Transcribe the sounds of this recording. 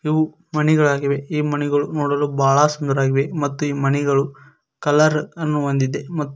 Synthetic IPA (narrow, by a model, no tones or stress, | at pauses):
iʋu | mɐnɛɡɐɭaːɡiʋe̞iːmɐnɛɡɐɭunoːɽɐlubaːɭɐsund̪ɐɾaːɡiʋe̞mɐt̪ːuiːmɐnɛɡɐɭu | kɐlɐɾɐnːuond̪id̪ːe̞mɐt̪ː